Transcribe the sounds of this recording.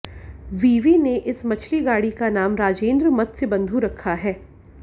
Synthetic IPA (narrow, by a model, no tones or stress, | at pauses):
ʋiːʋineʔɪsmɐt͡ʃʰliɡaːɽikanaːmɾaːd͡ʒẽːnd̪ɾəmɐt̪sebɐ̃nd̪ʱuɾɐkʰːaɦɛː